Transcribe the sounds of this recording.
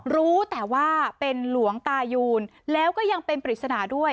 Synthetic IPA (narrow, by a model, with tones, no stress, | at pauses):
ɾuː˦˥t̪ɛː˨˩waː˥˩pe˧nlu˨˩˦əŋt̪aː˧juː˧n | lɛː˦˥wkɔː˥˩ja˧ŋpe˧npɾi˨˩t̪̚sa˧naː˩˦du˥˩əj